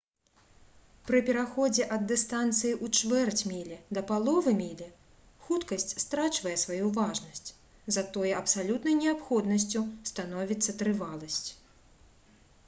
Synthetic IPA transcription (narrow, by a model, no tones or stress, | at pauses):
pɾɨpʲɛɾaxɔd͡zʲɛʔɐd̪ːɨst̪ant̪sɨjiʔut͡ʂvɛrt͡sʲmʲilʲɛd̪ɐpalˠɔvɨmʲilʲɛ | xut̪kɐsʲt͡sʲst̪ɾat͡ʃvɐjɛsvajuvaʐnɐsʲt͡sʲ | zɐt̪ɔjɛɐpsalʲut̪nɐjnʲɛapxɔd̪nɐs̬ʲt͡sʲust̪anɔvʲit̪sːɐt̪ɾɨvalˠɐsʲt͡sʲ